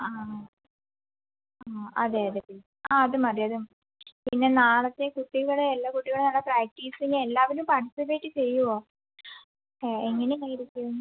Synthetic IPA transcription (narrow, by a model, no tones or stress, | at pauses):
aː | ɐðeːɐðet̪ːil | aːɐðɨmɐrijɐðɨm | pinːe̞naːɭɐt̪ːekuʈːiɣɐɭeelːakuʈːiɣɐɭɽenaːɭːɐpɾaːk̚ʈiːsiŋɡielːaːʋilumpɐrʈisipeːʈːɨt͡ɕe̞jːuoː | eeŋːɐnenɐjiɾikʲːɐʋunː